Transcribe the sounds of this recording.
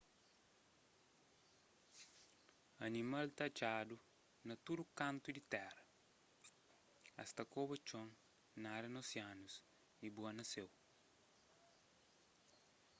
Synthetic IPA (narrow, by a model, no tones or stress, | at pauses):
ɐnimɐlt̪ɐt͡ʃadu | nɐt̪udukãnt̪udit̪ɛrɐ | ɐ̰st̪ɐkobɐt͡ʃõŋ | naɾɐnosjanus | ibuɐnɐsew